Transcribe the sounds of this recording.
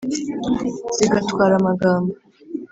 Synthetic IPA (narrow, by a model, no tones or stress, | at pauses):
z̥iɡatʰkʷaɾamaɡaːma